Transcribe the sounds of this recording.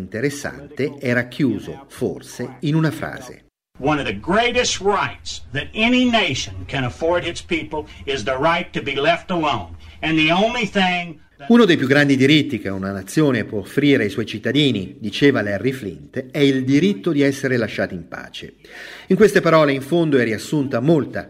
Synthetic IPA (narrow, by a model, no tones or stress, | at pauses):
nt̪eɾesːa̰nt̪eɛːɾakʰjuːzo̰fo̰rseinunafɾa̰ːzḛ | wʌ̃nʌvðɨɡɹeɪɾɨst̚ɹaɪtsðɨɾɛnineɪʃɨ̃nkʰɨ̃ñəfɔɹd̚ɨtspipl̩ˠɪzðəɹaɪtɨbilɛftəlõʊ̃n | ɨ̃nðiõʊ̃nliθɪ̃ŋ | unod̪ejpjuɡːɾand̪id̪iɾit̪ːik̟eunanat̪sːjoːnepwɔofːɾiːɾeajswɔjt͡ʃit̪ːad̪iːnid̪it͡ʃeːvalɛrːiflḭnt̪ɛild̪iɾit̪ːod̪iɛsːeɾelaʃːaːt̪oimpa̰ːt͡ʃḛ | iŋkwest̪epaɾɔːleiɱfond̪oɛriasːunt̪amolt̪a̰